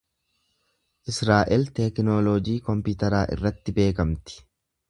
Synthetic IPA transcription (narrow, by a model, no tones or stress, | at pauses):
ʔɪsɾaːʔɛlt̪ɛknoːloːd͡ʒiːkɔmpɪt̪ɐɾaːʔɪ̰rːɐt̪ːɪbe̞ːkɐmt̪ɪ̥